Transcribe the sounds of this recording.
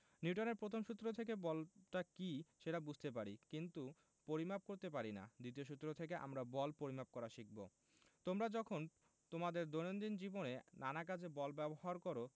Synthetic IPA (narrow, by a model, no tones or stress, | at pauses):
niuʈoneɾpɾot̪ʰomʃut̪ːɾot̪ʰekebɔlʈakiʃeʈabud͡ʑʱt̪ep̬aɾikint̪u | poɾimap̚koɾt̪ep̬aɾina̰d̪it̪̬ioʃut̪ːɾot̪ʰekeʔa̰mɾabɔlpoɾimap̚kɔɾaʃik̚bo̰ | t̪omɾad͡ʑɔkʰon | t̪omad̪eɾd̪onond̪ind͡ʑibonenanakad͡ʑʰebɔlbɛboɦaɾkɔɾo